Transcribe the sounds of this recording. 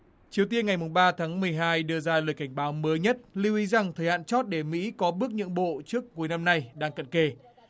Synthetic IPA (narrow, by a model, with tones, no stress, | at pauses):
t͡ɕi˨˩əwt̪i˧ənŋa˨˩jmʊ˨˩ŋ͡mɓaː˧t̪ʰaː˨˦ŋmɨ˨˩əjɦaː˧jɗɨ˧əzaː˧ləː˨˩jka˧˩ŋ̟ɓaː˨˦wməː˨˦jɲə˦˥t̚li˧wʔi˨˦za˨˩ŋt̪ʰəː˨˩jha̰ː˧˨nt͡ɕɔ˦˥t̚ɗe˧˩mḭ˧˥kɔ˨˦ɓɨ˦˥ək̚ɲɨ̰˧˥ŋɓo̰˧˨t͡ɕɨ˦˥ək̚ːu˨˦jna˧mna˧jɗaː˧ŋkə̰˧˨nke˧˩